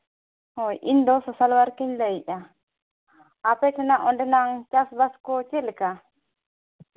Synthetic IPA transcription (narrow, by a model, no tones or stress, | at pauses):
hɔjʔḭnd̪ɔsɔsalwaɾkiɲlɛiʔa | apɛtɛnaʔɔnɖɛnaŋt͡ʃasbaskɔt͡ʃɛlɛka